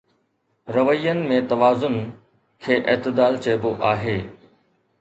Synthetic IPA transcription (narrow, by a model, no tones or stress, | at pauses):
ɾɐʋəijənɪ̆mẽt̪ɐʋaːzʊn | kʰeːʔeːt̪ɪd̪aːlt͡ɕeːboʔaːɦeː